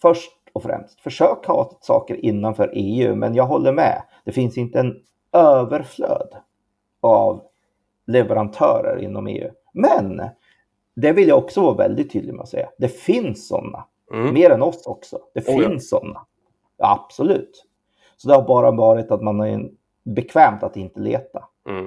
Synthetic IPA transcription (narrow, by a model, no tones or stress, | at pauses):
fœʂʈ̚ | ɔfɾɛ̰mst̪fœʂøːkhɑsɑ̰ːkəɾʔɪnːanfœɾʔeːʉ̰ːmɛ̰njɑːɡɦɔlːəɾmɛ̰ | d̪̥ɛfɪnsɪnt̪əɛn | øːvəɾflø̰ːd̪ | av | lɛvəɾant̪ʰœːɾə̰ɾʔɪ̰nːɔmḛːʉ̟ː | mɛn | d̪ɛvɪljaɔksɔvɑːvɛ̰ld̪ɪt̪ʰːyːd̪lɪɡmɛ̰ɔsɛjːad̪ɛfɪnsːɔ̰nːa | meːɾɛnɔsɔksɔd̪̥ɛfɪnsːɔ̰nːa | a̰b̥sɔlʉ̟ːt̪ | sɔd̪ɛhaɾbɑːɾavɑːɾɪt̪at̪manæ | bɛkʰvɛːmt̪at̪ɪnt̪əlḛːt̪a